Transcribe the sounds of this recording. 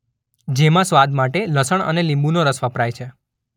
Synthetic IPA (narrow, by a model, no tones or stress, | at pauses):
d͡ʒemãsʋad̪maʈeləsəɳ̃ə̰nelĩmbunoɾəsʋəpɾajt͡ʃʰe